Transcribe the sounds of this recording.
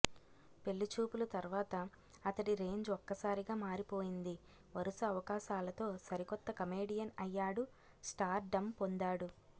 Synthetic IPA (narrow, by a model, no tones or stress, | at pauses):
pe̞lːut͡ʃuːpulɐt̪ɐɾʋaːt̪ɐː | t̪ɐʈiɾe̞ːɲd͡ʒɔkːɐsaːɾiɡaːmaːɾipo̞ːjind̪i | ʋɐɾusɐːʋɐkaːʃaːlɐt̪o̞ːsɐɾikɔt̪ːɐkɐmeːɽijɐnɐjːaːɽu | sʈaːɾɖɐmpond̪aːɽu